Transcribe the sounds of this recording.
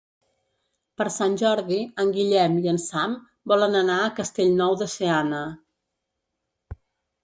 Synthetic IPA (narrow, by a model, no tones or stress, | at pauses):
pəɾsanʲʒɔɾðiəŋɡiʎɛmiənsam | bɔlənənaəkəst̪eʎnɔwðəseanə